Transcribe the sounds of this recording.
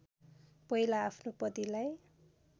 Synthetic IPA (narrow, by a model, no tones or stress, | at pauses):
pʌɦilaːpʰnopʌd̪ilaj